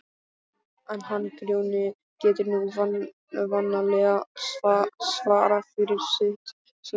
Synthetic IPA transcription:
ɛnɦanːkɾjoːwnɪ | cɛːt̪ɪɾnuv | vanːalɛɣa | svaːɾafɪɾɪɾ̥sɪht̪ | s

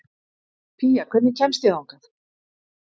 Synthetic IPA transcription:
pʰiːjakʰv̥ɛt̪nɪcʰɛnst̪jaðawŋkaθ

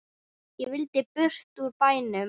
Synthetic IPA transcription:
jɛvɪlt̪ɪpʏr̥t̪uɾpaːjnʏm

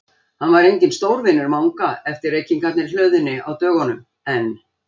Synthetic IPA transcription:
hanvaɾejɲcɪnst̪owɾvɪnʏɾmawŋkaɛft̪ɪɾejcːɪŋkat̪nɪɾ̥l̥œɥðʏnːɪawt̪œːɣɔnʏm | ɛn

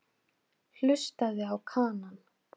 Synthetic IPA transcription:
l̥ʏst̪aðɪawkʰaːnan

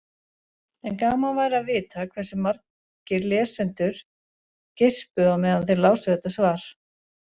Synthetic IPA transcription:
ɛnkaːmavaːjɾavɪːt̪akʰvɛrsɪmar̥k | cɪɾlɛːsɛnt̪ʏɾ̥ | cespʏawmɛːðanθelaːwsʏθɛt̪asvaːɾ̥

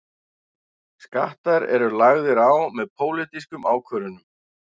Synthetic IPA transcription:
ska̰ht̪aɾɛ̰ɾʏlaɣðɪɾaːwmɛðpʰoːwlɪt̪iskʏmaːwkʰvœːɾʏnʏm

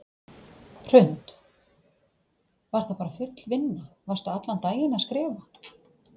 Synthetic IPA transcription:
r̥ʏnt̪ | vaɾ̥θapaːɾafʏt̪l̥vɪnːavarst̪aat̪lant̪aːjɪnaskɾɛːva

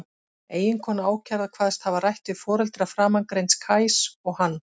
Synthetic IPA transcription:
eːjɪnkʰɔːnaaːwcʰaɾðakʰv̥aːðst̪havarajht̪vɪ̥fɔːɾɛlt̪ɾafɾaːmankɾejnskʰaːjsɔɣhanː

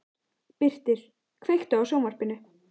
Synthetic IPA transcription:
pɪr̥t̪ɪɾ̥ | kʰvejxt̪ʏawsownvaɾ̥pɪnːʏ

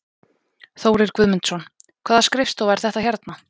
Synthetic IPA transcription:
θoːwɾɪɾkvʏðmɪnt̪sɔnkʰvaːðaskɾɪfst̪owvɛɾ̥θɛht̪açaɾt̪na

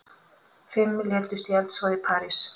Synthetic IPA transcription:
fɪmːljɛːt̪ʏst̪jɛlt̪svɔːðɪpʰaːɾis

